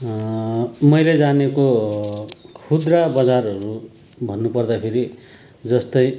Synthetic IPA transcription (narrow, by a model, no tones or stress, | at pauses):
mʌjled͡zaneko | kʰud̪rabʌd͡zarʌɾu | bʱʌnːupʌrd̪apʰeɾi | d͡zʌst̪ʌj